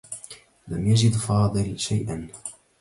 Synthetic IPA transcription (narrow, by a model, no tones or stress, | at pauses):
lamjad͡ʒɪd̪fɑːd̪ˤɨlʃajʔan